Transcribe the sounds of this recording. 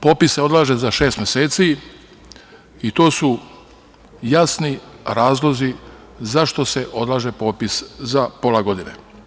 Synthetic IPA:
po̞ːpisːeo̞d̪laːʒezaʃe̞ːst̪mjeseːt̪si | it̪o̞ːsu | jasniɾaːzlo̞zi | zaʃt̪o̞se̞ʔo̞d̪lˠaːʒe̞po̞ːpiszapo̞laɡo̞d̪inḛ

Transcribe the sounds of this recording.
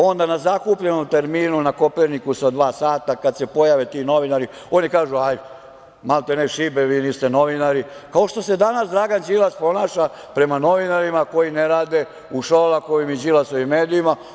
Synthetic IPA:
o̞nd̪anazakuːpʎeno̞mt̪e̞ɾmiːnunako̞peɾnikusod̪ʋaːsaːt̪akad̪se̞po̞jaʋet̪ino̞ʋinaɾi | o̞nikaːʒuaj̪ | malt̪eneʃibeʋiːnist̪e̞no̞ʋinaɾikao̞ʃt̪o̞se̞d̪anasd̪ɾaɡand͡ʒilaspo̞naːʃa | pɾe̞mano̞ʋinaɾimako̞jineɾaːd̪e | uʃoːlakoʋimid͡ʒilasoʋimːeːd̪iima

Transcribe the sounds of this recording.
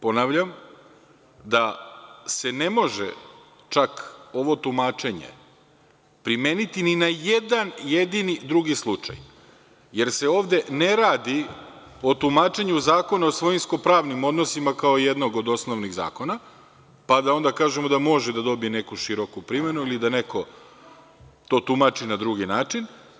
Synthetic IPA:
po̞naːʋʎam | d̪ase̞ne̞mo̞ʒḛ | t͡ʃako̞ʋo̞t̪umaːt͡ʃe̞ɲḛ | pɾimeːnit̪ininajed̪anje̞d̪inid̪ɾuɡislˠut͡ʂa̰j | je̞ɾse̞o̞ːʋd̪e̞ne̞ɾaːd̪i | o̞t̪umaːt͡ʃe̞ɲuzaːko̞naosʋo̞jimsko̞pɾaːʋnimo̞d̪no̞simakao̞ije̞d̪no̞ɡo̞d̪o̞snoʋniɣza̰ːko̞na | pad̪ao̞nd̪akaːʒemod̪amo̞ʒɛd̪ad̪o̞biene̞kuʃiɾo̞kupɾime̞nuilid̪aneko̞ | t̪o̞ːt̪umat͡ʃinad̪ɾuɡinaːt͡ʃin

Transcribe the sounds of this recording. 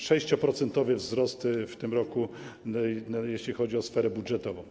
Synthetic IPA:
ʂɛɕt͡ɕɔpɾɔt̪sɛnt̪ɔvɛvzɾɔst̪ft̪ɘmɾɔku | jeɕlʲixɔd͡ʑiɔsfɛɾɛbudʐɛt̪ɔvɔ̃w̃

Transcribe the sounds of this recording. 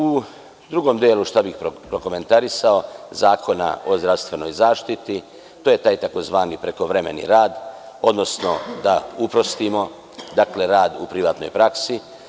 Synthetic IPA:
u | d̪ɾuɡo̞md̪jeːluʃt̪abixpɾopɾo̞ko̞me̞nt̪aɾisaozaːkʰo̞na̰ʔo̞zd̪ɾaʋst̪ʋe̞no̞jzaːʃt̪it̪i | t̪oːje̞t̪aːjt̪ako̞zʋaːnipɾe̞ko̞ʋɾeme̞̰nḭɾaːd̪ | o̞d̪no̞sno̞d̪aupɾo̞st̪imo̞ | d̪akle̞ɾaːd̪upɾiʋaːt̪no̞̰jpɾaksi

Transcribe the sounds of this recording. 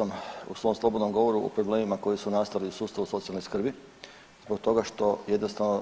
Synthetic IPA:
amṵsʋo̞ːmslˠo̞bod̪nomɡo̞ʋo̞ɾuo̰pɾoble̞ːmimako̞jisunast̪aliusuːst̪aʋuso̞t̪sialnojskr̩bi | zbo̞k̚t̪o̞ɡaʃt̪o̞je̞d̪nost̪aʋno

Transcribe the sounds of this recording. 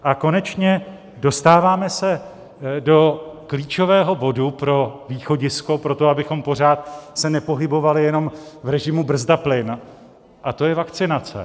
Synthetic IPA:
ʔako̞nɛt͡ʃɲɛ | do̞st̪aːvaːmɛsɛ | do̞kliːt͡ʃo̞vɛːɦo̞bo̞dupɾo̞viːxo̞ɟɪsko̞pɾo̞t̪o̞abɪxo̞mpo̞r̝aːt̪sɛnɛpo̞ɦɪbo̞valɪjɛno̞mvɾɛʒɪmubr̩zdaplɪn | ʔat̪o̞jɛvakt͡sɪnat͡sɛ̰

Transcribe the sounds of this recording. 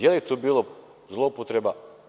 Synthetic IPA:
jelit̪obilˠo | zlˠopot̪ɾeba

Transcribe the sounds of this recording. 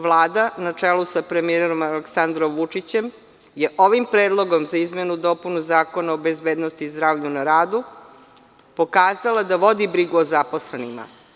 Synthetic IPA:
ʋlˠaːd̪anat͡ʂelusapɾemieɾo̞maleksand̪ɾomʋut͡ʂit͡ɕe̞m | jeʔo̞ʋimpɾeːd̪lˠo̞ɡo̞mzaizmenud̪o̞punuzaːko̞naobe̞zbeːd̪nost̪iːzd̪ɾaːvʎunaɾaːd̪u | po̞kaːzalˠad̪aʋo̞d̪ibɾiɡuozapo̞sle̞nima̰

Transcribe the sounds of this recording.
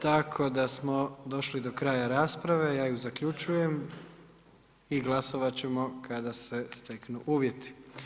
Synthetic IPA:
t̪akʰo̞d̪asmo̞d̪o̞ʃlid̪o̞kɾaːjaɾaːspɾaʋe̞jaːjuzakʎut͡ʃuje̞m | iɡlˠaso̞ʋat͡ɕe̞mo̞kʰad̪ase̞st̪e̞knuʔuːʋje̞t̪i̥

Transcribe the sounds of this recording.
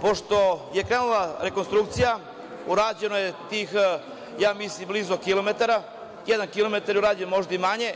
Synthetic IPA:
po̞ʃt̪o̞je̞kɾenulˠaɾe̞konst̪ɾuk̚t̪sija | uɾaːd͡ʑe̞nojet̪iːx | jaːmislimbliːzokilo̞met̪aɾa | jed̪ankilo̞me̞t̪aɾjeuɾaːd͡ʑenmo̞ʒd̪aimaɲe̞

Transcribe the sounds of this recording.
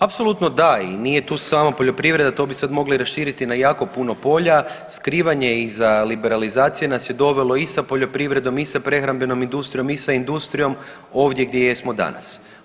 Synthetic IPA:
apso̞lut̪nod̪ainije̞t̪uːsaːmapo̞ʎo̞pɾiʋɾe̞d̪at̪o̞bisad̪mo̞ɡliɾasʃiːɾit̪inajaːko̞puno̞po̞ʎaskɾiːʋaɲe̞izalibe̞ɾalizaːt̪sije̞nasje̞d̪o̞ʋe̞lo̞isapo̞ʎo̞pɾiʋɾe̞d̪o̞misapɾe̞xɾambe̞no̞mind̪ust̪ɾijo̞misaind̪ust̪ɾijo̞m | o̞ːʋd̪ʲjeɡ̚d̪jejesmo̞d̪a̰na̰s

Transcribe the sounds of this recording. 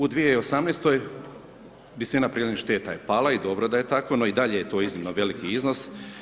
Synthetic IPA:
ud̪ʋijeio̞samneːst̪o̞j | ʋisinapɾiːleniʃt̪e̞ːt̪ajepaːlaid̪o̞bɾod̪aje̞t̪ako̞noid̪aʎejet̪o̞ːiznimnoʋe̞likiizno̞s

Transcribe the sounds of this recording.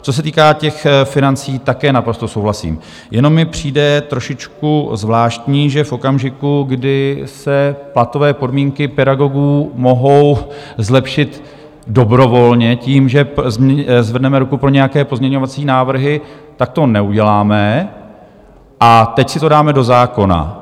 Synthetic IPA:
t͡so̞s̬ɛt̪iːkaːcɛxfɪnant͡siːt̪akɛːnapɾo̞st̪o̞sowɦlasḭːm | jɛno̞mːɪpr̝̥iːdɛt̪ɾo̞ʃɪt͡ʃkuzvlaːʃt̪ɲiːʒɛfʔo̞kamʒɪkuɡdɪsɛplat̪o̞vɛːpo̞dmiːŋkɪpɛdaɡo̞ɡuːmo̞ɦo̞wzlɛpʃɪt̪ | do̞bɾo̞vo̞lɲɛciːmʒɛzzvɛrdnɛmɛɾukupɾo̞ɲɛjakɛːpo̞zmɲɛɲo̞vat͡siːnaːvr̩ɦɪt̪ak̚t̪o̞nɛuɟɛlaːmɛ | ʔat̪ɛcsɪt̪o̞daːmɛdo̞zaːko̞na̰

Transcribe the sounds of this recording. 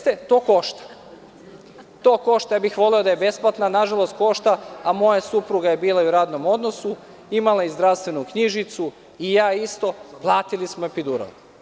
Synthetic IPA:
t̪et̪o̞ːko̞ʃt̪ḁ | t̪oːko̞ʃt̪ajabixʋo̞lɛo̞d̪ajebe̞splˠat̪nanaʒalˠo̞st̪̚ko̞ʃt̪aamo̞jasupɾuɡaje̞biːlauɾaːd̪no̞mo̞d̪no̞su | imalˠajezd̪ɾaʋst̪ʋe̞nukɲiʒit̪su | ijaːist̪o̞plˠaːt̪ilismoepid̪uːɾa̰l

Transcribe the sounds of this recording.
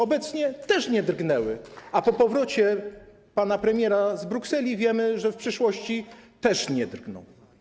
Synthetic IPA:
ɔbɛt̪sɲɛt̪ɛʂɲɛd̪rɡnɛwɘ̰apɔpɔvɾɔt͡ɕɛ | panapɾɛmʲjɛɾazbɾuksɛlʲivʲjɛmɘʐɛfpʂɘʂwɔɕt͡ɕit̪ɛʂɲɛd̪rɡnɔ̰̃w

